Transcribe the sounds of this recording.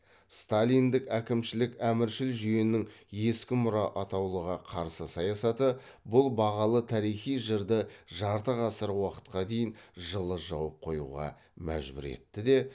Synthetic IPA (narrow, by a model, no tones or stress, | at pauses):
st̪alʲijnd̪ɪkækʲɪmʃɪlɪkæmɪɾʃɪlʒʏjenɪŋje̞skʲɪmʊɾɑʔɑt̪ɑwlˠəʁɑqʰɑɾsəsɑjɑsɑt̪ə | bʊlˠbɑʁɑlˠət̪ʰɑɾijχijʒəɾd̪əʒɑɾt̪əʁɑsəɾwɑqə̥t̪qɑd̪e̞jɪnʒəlˠəʒɑwəp̚qʰo̞jṵʁɑ̰ | mæ̰ʒbɪ̰ɾḛt̪ːɪd̪e̞